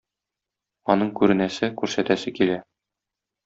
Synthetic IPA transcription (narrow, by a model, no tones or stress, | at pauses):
ɒnɤɴkʉɾɘ̆næsɘkʉɾsæt̪æsɘkilæ